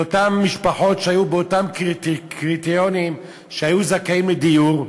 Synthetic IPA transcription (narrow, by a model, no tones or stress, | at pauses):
otamːiʃpaħo̞tʃehajubeotamkkʁit̪ijonim | ʃehajuzakaimled̪ijuʁ